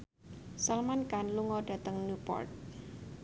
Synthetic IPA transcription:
salmankanluŋɔɖ̥ä̤t̪əŋnupɔ̰rt̪̚

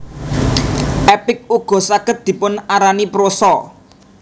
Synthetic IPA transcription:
ʔɛpɪk̚uɡ̥ɔ̤saɡ̥ət̪̚d̪̥i̤pʊnaɾanipɾosɔ

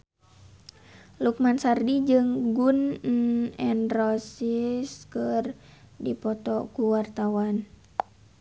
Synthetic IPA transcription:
luk̚mansardid͡ʒɨŋɡun | ɛnrɔsiskɨr | dipɔt̪ɔkuwart̪awan

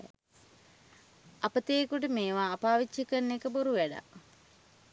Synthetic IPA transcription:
apət̪eːkuʈ̬əmeːʋaːpaːʋit͡ʃːikənːekəboɾuʋæɖa̰

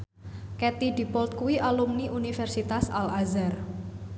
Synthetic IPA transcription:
kɛt̪iɖ̥i̤pɔlt̪̚kuwiʔalumniʔunifɛrsit̪asalazar

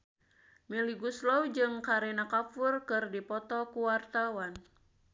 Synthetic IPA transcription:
miliɡuslɔwd͡ʒɨŋkaɾɛnakafurkɨrdipɔt̪ɔkuwart̪awan

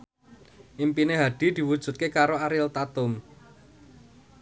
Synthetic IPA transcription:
ʔimpineɦaɖ̪̥i̤d̪̥i̤wud̥ʒ̥ṳt̪̚kekaɾoaɾɪlt̪at̪ʊm

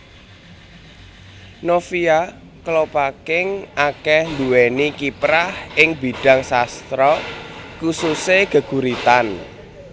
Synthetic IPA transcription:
nofia | kəlopakɪŋʔakɛhnd̪uenikipɾahɪŋbi̤ɖ̥a̤ŋsast̪ɾɔkususeɡ̥ə̤ɡ̥uɾit̪an

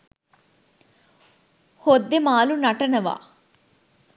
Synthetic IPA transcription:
hod̪ːemaːlunɐʈɐnɐʋa̰ː

